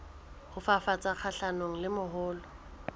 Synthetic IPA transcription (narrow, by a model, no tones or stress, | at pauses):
hʊfafat͡sʼak͡xʰaɬanoŋ̩lɪmʊɦʊːlɔ